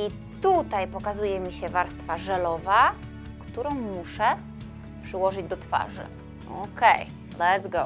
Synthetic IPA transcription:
i | t̪ut̪ajpɔkazujɛmʲiɕɛvaɾst̪faʐɛlɔva | kt̪uɾɔ̃w̃muʂɛ | pʂɘwɔʐɘd͡ʑd̪ɔt̪fa̰ʐɘ̰ | o̰kej | lɛtsɡo

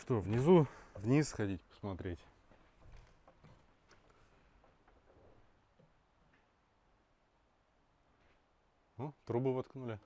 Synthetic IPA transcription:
ʂt̪ovnʲɪzuvnʲisxɐdʲitʲpə̥smɐt̪ɾʲetʲ | nut̪ɾubɨvɐt̪knulʲɪ

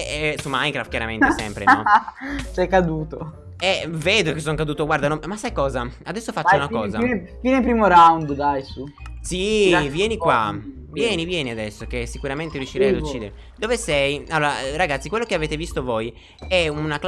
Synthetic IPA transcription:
ɛsumajŋkɾaft̪kjaɾament̪esɛ̰mpɾḛnɔt͡ʃɛkːad̪uːt̪o | ɛveːd̪okesːɔŋkad̪uːt̪oɡwaɾd̪anɔmasːajkɔːzaad̪ɛsːofat͡ʃːunakkɔːzafiːnepɾiːmoɾawnd̪d̪ajsusivjɛːnikwa | vjɛːnivjɛːniad̪ɛsːokesːikuɾament̪eɾjuʃːiɾɛjad̪ut͡ʃːiːd̪eɾe | d̪ovesɛjalːoːɾaraɡat̪sːikwelːokeaveːt̪evist̪ovoj | ɛunakl

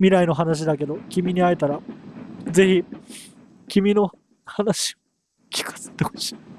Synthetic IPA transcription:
mʲiɾaino̞ɦanaɕ̬id̪ake̞d̪o̞kʲimʲiɲ̟iait̪aɾa | ze̞çi | kʲimʲino̞ | hanaɕi̥o | kʲi̥kḁse̥t̪eho̥ɕi̥ː

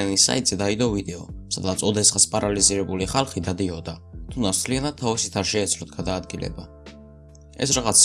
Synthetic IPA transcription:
anisa̰it̪ʼz̥ɛd̪aid̪ɔvid̪ɛɔsad̪at̪sʰɔd̪ɛsχaspʼaɾaliziɾɛbuliχalˠχid̪ad̪iɔd̪at̪ʰumd̪at̪st̪ʰlianad̪̚t̪ʰːavisit̪ʰaɾʃɛːt̪sʰlɔt̪ʰɡad̪aːd̪ɡilʔɛ̰ba | ɛ̰sɾaʁat̪sʰ

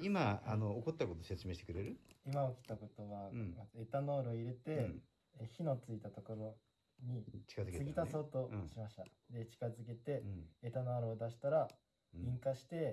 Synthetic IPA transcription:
imaano̞ːko̞t̪ːako̞t̪ose̞t͡sɨme̞ːɕit̪e̥kɯɾe̞ɾɯ̟imaokʲi̥t̪ːako̞t̪o̞βamae̞t̪ano̞ːɾoiɾe̞t̪e̞ | çino̞t͡sɨit̪at̪o̞ko̞ɾo̞ | ɲ̟it͡ɕi̥kazɨksɨɡʲit̪aso̞ːt̪o̞ɕimaɕi̥t̪ad̪e̞t͡ɕi̥kazɨke̞t̪e̞ːt̪anoaɾoːd̪aɕi̥t̪aɾa | ĩŋkaɕi̥t̪e̞

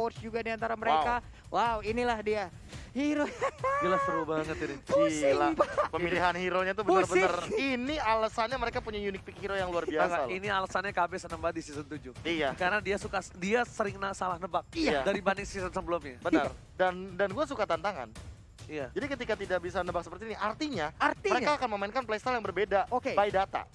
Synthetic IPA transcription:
pɔrsd͡ʒuɡadiant̪aɾaməɾeka | wʔawinilahdia | hiɾobilasəɾubaŋət̪inislabpəmiliɦanhiɾoɲat̪ubəusrsbəarinialasanɲaməɾekapuɲajunɪk̚pikhiɾojaŋluarbiaskaaʔinialasanɲakabɪsənəmbadisisənt̪ud͡ʒʊhijakaɾənadiasukadiasəɾɪŋnəsalahnəbak̚jadaɾibandɪŋsisənsəbəlumɲabənər | dandanɡuasukat̪ant̪aŋa̰n | ijad͡ʒadikət̪̬ikat̪idaʔbis̬anəbak̚sə̥pərt̪iːniʔart̪iɲaariməɾekaːkanməmainkanplajst̪aljaŋbərbedaokebaidat̪a̰

